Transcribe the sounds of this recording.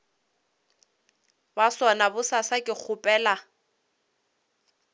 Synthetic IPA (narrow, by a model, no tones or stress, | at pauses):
baswanabʊsasakʼɪk͡xʰʊpʼɛːla